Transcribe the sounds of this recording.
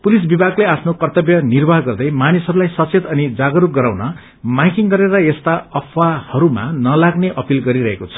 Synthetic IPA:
pulis̬bibaɡleapʰnokʌrt̪ʌbjʌnirbʱaɦɡʌrd̪ʌjmanisɦʌɾulajsʌt͡sʰet̪ʌnid͡zaɡʌɾuk̚ɡʌɾawnʌ | majkiŋɡʌɾeɾʌest̪aʌpʰwahʌɾuma̰nʌlaɡneʔʌpilɡʌɾiɾʌɦekot͡sʰʌ̥

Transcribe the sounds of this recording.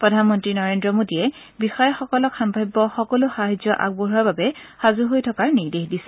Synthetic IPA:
pɹɔdʱanmɔntɹinɔɹendɹɔmodijɛ | bixɔjɔxɔkɔlɔkxambʱajbːɔxɔkɔlʊxaɦazjɔʔa̰ɡ̚boɦuaɹbabɛxazuɦojtʰɔkaɹniɹdexdisɛ̥

